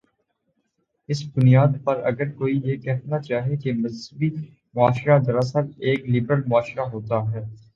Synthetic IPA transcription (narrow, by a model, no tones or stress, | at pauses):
ɪsbʊnijaːd̪̚pɐɾɐ̰ɡəɾkoːijekɛɦnat͡ʃaːɦiekemɐzbi | mʊaːʃɾazɐɾaːsəɾeːklibɾəlmʊaːʃɾaɦoːt̪aɦɛː